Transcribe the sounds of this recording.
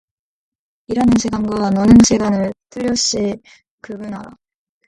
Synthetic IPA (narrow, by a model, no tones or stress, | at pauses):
iɾanɯnsʰeɡamɡwanʌnɯnsʰeɡanɯɭt͈ʰɯʎːʌɕ͈i | kɯbɯnaɾa̰